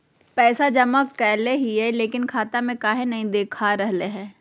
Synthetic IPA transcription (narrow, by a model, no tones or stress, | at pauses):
pɛːsad͡ʒɐməkːɛːleɦiɦɛleːkɪnkʰaːt̪amẽkaːɦenɐɦĩd̪eːkʰaɾɐɦleɦɛː